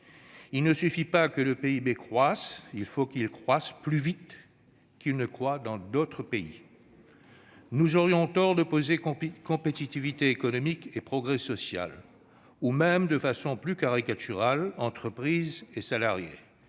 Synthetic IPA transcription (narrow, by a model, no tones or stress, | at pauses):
ilnəsyfipakələpeibekχwasilfokilkχwasplyvit̪ | kʲilnəkχwad̪ɑ̃d̪ot̪χəpeḭ | nuzɔʁjɔ̃t̪ɔʁd̪əpozekɔ̃pet̪it̪ivit̪eːkɔnɔmikepχɔɡʁɛsɔsja̰l | umɛmd̪əfasɔ̃plykaʁikat̪yʁalɑ̃t̪χəpχizesalaʁjḛ